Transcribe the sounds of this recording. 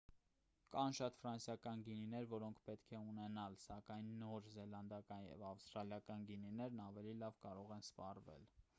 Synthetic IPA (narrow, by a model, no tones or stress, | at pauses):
kɑnʃɑt̪fɾɑnsjɑkɑnɡininɛɾvɔɾɔŋkʰpɛt̪kʰɛunɛnɑlsɑkɑjnːɔɾzɛlɑnd̪ɑkɑnjɛ̰vɑfst̪ɾɑljɑkɑnɡininɛɾnɑvɛlilɑvkɑɾɔʁɛnspɑrvɛ̰l